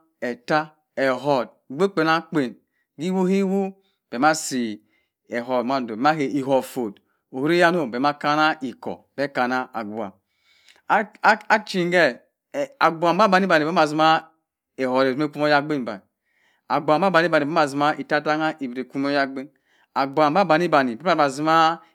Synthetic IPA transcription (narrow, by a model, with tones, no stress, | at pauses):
e˨ta˦ | e˨ɦɔ˨d̚ɡ͡bʷe˦k͡pe˨na˦k͡pe˨n | ɡi˦wu˦hi˦wu˦ | b̥e˨ma˦si˨ | e˨ɦɔ˨dma˦˨do˨be˨ma˦ke˨ʔi˨ɦɔ˨fo˨d | o˨hu˦ɾi˦ja˦no˦˨be˨˦a˦ka˦na˦i˨kɔ̰˨b̥e˦ka˨na˦a˨ɡu˨a̰˨˦ | a˦t͡ʃi˨ŋ˦ɡɛ˦˨ | a˨ɡ͡bu˨a˨mba˦ba˨ni˦ba˨ni˨˦a˨zi˦ma˦ | e˨hɔ˨ɾe˨zu˦e˦ku˦mo˦ja˦ɡ͡be˦n˨ba̰˨n˨ | a˨ɡ͡bʷa˨ba˦ba˨ni˦ba˨ni˨ba˦a˨zi˨ma˦ʔi˨ta˦ta˦ŋa˦ʔi˨bi˨ɾe˨ku˦mo˦ja˦ɡ͡be˦n | a˨ɡa˨mba˦ba˨n˦i˦ba˨ni˨be˦a˨a˨zi˦ma˦